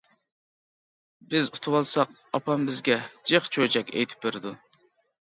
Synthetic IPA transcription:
bɪzut̪ʰuwɑlˠsɑq | ɑpʰɑmbɪzɡʲɛd͡ʒeχt͡ʃʰøt͡ʃɛkʲɛ̰jt̪ʰɪ̥p̚beɾɪd̪u

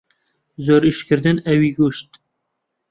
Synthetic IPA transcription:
zoɾiʃkɨɾd̪ɨnɛwiɡuʃt̪

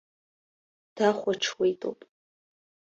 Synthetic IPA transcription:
d̥aχʷaʈ͡ʂʰwejtʼo̰wpʼ

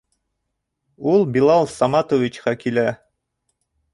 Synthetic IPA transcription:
ulˠbilˠɑlˠsɑmɑt̪ovʲit͡ɕqɑkilæ

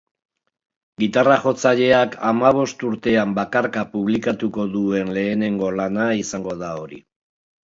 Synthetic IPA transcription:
ɡit̪araʝo̞t͡saʎe̞akʰamaβ̞o̞st̪uɾt̪e̞ambakaɾkapuβlikat̪uko̞ðue̞nle̞ːne̞ŋɡo̞lanaisaŋɡo̞ðao̞ɾḭ

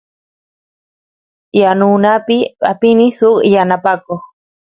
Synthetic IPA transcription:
janunapia̰pinisukjanapako

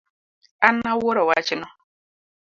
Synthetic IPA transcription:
anawoɾɔwat͡ʃɪnɔ

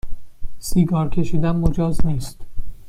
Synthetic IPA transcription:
siːɡɒːɾcʲʰe̞ʃiːd̪ænmod͡ʒɒːzniːst̪

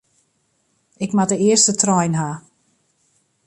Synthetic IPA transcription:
ɪkmatəɪəstətʰrɔjnɦa

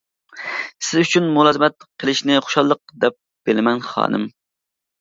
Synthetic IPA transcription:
sɪzyt͡ʃʰynmʊlˠɑːzɨmɛt̪̚qʰəlˠɪʃnɪχo̥ʃɑlˠːəq̚d̪ɛp̚ | b̥eɪlɪmɛnχɑ̰ːnɨ̰m

